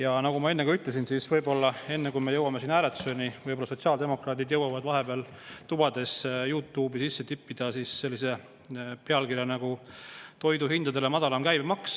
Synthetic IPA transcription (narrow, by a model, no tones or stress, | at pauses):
jɑnɑɡumɑe̞nːe̞ɡɑyt̪le̞s̬insisvɤjbo̞lːɑe̞nːekujmejɤwɑmesiːnæːɾet̪ːso̞nivɤjbolːɑso̞t̪siɑld̪e̞mo̞krɑːt̪id̪jɤwɑvɑd̪vɑɦe̞b̥eɑl | t̪ub̥ɑd̪̥e̞sjuːt̪ˑːuːbisisːe̞t̪ipːid̪̥ɑsisːe̞lːise̞ | peɑlkirjɑnɑɡ̥ut̪o̞jd̪uɦind̪̥ɑd̪e̞lemɑd̪̥ɑlɑmkæjbmɑks